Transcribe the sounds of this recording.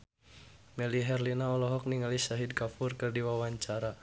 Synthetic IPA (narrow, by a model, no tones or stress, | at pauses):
mɛliɦɛrlinaɔlɔɦɔk̚niŋalisaɦid̚kafurkɨrdiwawaɲt͡ʃaɾa